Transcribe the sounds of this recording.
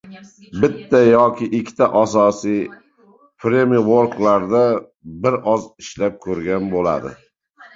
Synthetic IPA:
bɪt̪ːajɒkʲɪʔɪkʲʰːt̪ʰaʔasɒsij | pɾemiwoɾklaɾd̪a | bɪɾɒzɪʃlap̚kʲʰɵɾɡʲanbola̰d̪ɪ̰

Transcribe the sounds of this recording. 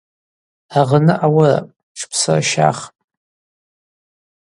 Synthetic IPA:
aʁənɨʔawara̰ | ʈ͡ʂʰpʰsɨraʃa̰ːχʼ

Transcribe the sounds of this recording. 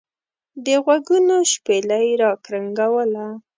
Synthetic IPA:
d̪əɣwaɡunoʃpelajɾɑkɾaŋɡawəla

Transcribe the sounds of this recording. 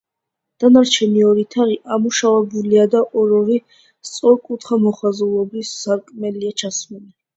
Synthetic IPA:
d̪̥anaɾt͡ʃʰɛniɔɾit̪ʰaʁiʔamuʃavɛbuliad̪aʔɔɾɔɾi | st̪sʼɔɾkʼut̪ʰχamɔχwazulˠɔbisːaɾkʼmɛliat͡ʃʰasmɛnɛ

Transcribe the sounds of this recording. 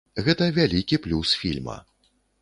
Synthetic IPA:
ɣɛt̪ɐvʲalʲikʲiplʲusfʲilʲmɐ̰

